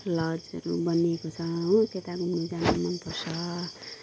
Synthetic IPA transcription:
lʌd͡zʌ̰ɾubʌnekot͡sʰʌɦõk̪et̪akomud͡zanamʌnpʌrsʰʌ

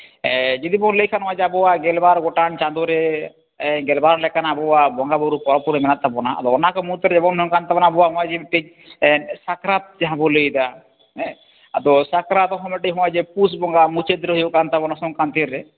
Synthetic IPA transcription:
ɛd͡ʒid̪ibɔnləjkʰanɔ̃wad͡ʒɛabɔwaɡɛlbaɾɡɔʈaɳt͡ʃãnd̪ɔɾɛ | ɡɛlbaɾlɛkanabɔwabɔŋɡabɔɾupɔɾɔpuɾɛmɛnat̪ːabɔna̰a̰d̪ɔɔnakɔmut̪ɔɾɛɛbɔŋɦɔŋkant̪abɔnabɔwaɦɔ̃ad͡ʒɛbɛʈːi | sakɾat̪̚d͡ʒaɦãbɔləjd̪a | ɛ | ad̪ɔsakɾat̪ɔɦɔ̃mɛʈiɦɔ̃ad͡ʒɛpusbɔŋɡamut͡ʃed̪ɾɔɦɔjokant̪abɔnasɔŋkant̪iɾɛ

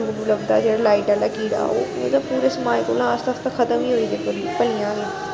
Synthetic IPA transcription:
bbʊləbd̪a̰ːd͡ʒeːɽaːlaːiʈaːlaːkiːɽa̰ːo̰ːmə̰t̪əbpuːɾeːsəmaːjko̰ːlãəst̪əst̪ãkʰət̪əmiːɦoːiːd̪eːpəɾpəlijãːɡe

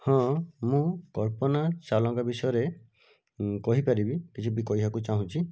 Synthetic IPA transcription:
hɔ̃mũkɔɾpɔnasalɔŋkɔbisɔjɔɾe | kɔɦipaɾibikit͡ʃʰubikɔiɦakut͡ʃaɦũt͡ʃʰi

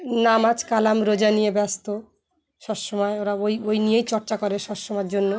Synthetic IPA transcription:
namad͡ʑkalamɾod͡ʑanijebɛst̪o | ʃɔbʃɔmɔeoɾaojojnijejt͡ɕɔɾt͡ɕakoɾeʃɔbʃɔmɔeɾd͡ʑonːo

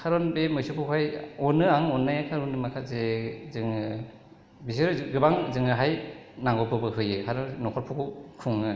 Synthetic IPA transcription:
kʰaɾɔnbemɯjsɯpʰuhʰajɔnɯaŋɔnːajakʰaɾɔnɯmakʰazezɯŋ | bisɯɾɡɯbaŋzɯŋɯɦajnaŋɡɔpɯbɯɦɯjɯkʰaɾɔnɔkʰɔɾpʰukʰukʰuŋɯ

